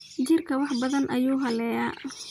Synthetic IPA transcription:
t͡ʃɪrkʰɐwɑħbɐðɐnʔɐjuːɦɐlɛːjaː

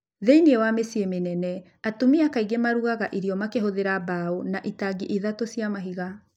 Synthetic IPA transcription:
ðeiniewamesiemenɛnɛ | atomiakaiɡemaɾuɣaɣaʔiɾiɔmakeɦoðeɾabaonaʔitaɡiʔiðatosiamaɦiɣa

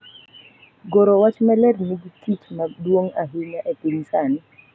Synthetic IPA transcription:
ɡoɾowat͡ʃmɛlɛɾnɪɡititmadwoŋaɦɪɲaʔepɪŋsanɪ

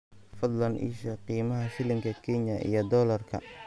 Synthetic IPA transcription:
fɑd̪lɐnʔḭːʃɐqiːmɐɦɐfɪlɪŋkʰɐkʰɛɲɐʔḭjɞd̪ɔːlɐrkʰɐ̰

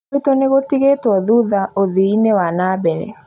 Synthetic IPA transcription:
etoneɣotiɣetwɔðuðaoðiinewanabɛɾɛ̰

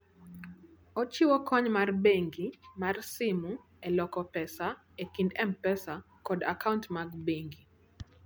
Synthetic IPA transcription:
ɔt͡ʃiwɔkɔɲmarbeŋɡimarsimu | ɛlɔkɔpɛsa | ɛkindɛmpɛsa | kɔdakauntmaɡbeŋɡi

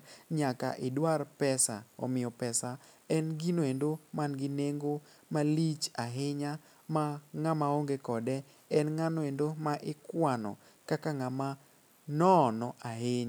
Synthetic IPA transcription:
ɲaka̰ʔɪdwarpɛsa̰ɔ̰mɪjɔpɛsaɛnɡinoendomanɡɪneŋɡomalit͡ʃaɦɪɲa | maŋamaoŋɡekɔdɛ | ɛnŋanɔendomaʔɪkwanɔ̰ | kakaŋama | nɔnɔʔaɦɪɲ

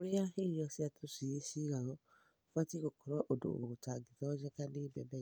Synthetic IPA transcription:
oɾijaẽɔ̃siatʰosieʃiɾaɾɔ̃ | fatikokɔɾɔʔodo̰okotaɡitaɔd͡ʒɛkanibɛbɛ

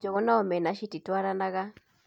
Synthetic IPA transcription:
d͡ʒɔɣɔnaɔmɛnaʃititwaɾanaɣa

